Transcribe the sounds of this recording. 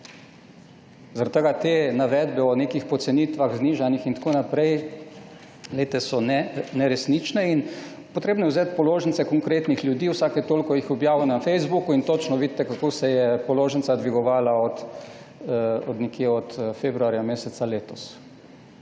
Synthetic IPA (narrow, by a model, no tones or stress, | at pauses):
zaɾat̪t̪əɡat̪eːnaʋɛd̪bɛɔneːkixpɔt̪sɛniːt̪ʋaɣzniʒanixint̪ḁkonapɾɛj | leːt̪ɛsɔnɛnɛɾɛsnit͡ʃnɛin | pot̪ɾeːbnɔjɛwzeːt̪pɔloːʒənsɛkɔŋkɾeːt̪nixlʲjud̪iːwsaːkɛt̪oːlkɔjixɔbjaːʋɔnafɛjzbukuint̪ot͡ʃnɔʋid̪̚t̪ːɛkakoːsɛjɛpɔloːʒənsad̪ʋiɡɔʋaːlaɔt̪ | ɔd̪nɛkjeɔt̪febɾuaːɾjameːsɛt̪saleːt̪ɔs